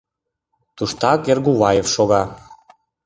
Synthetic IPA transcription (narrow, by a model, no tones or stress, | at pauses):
t̪uʃt̪ɑkerɣuβɑjefʃoɣɑ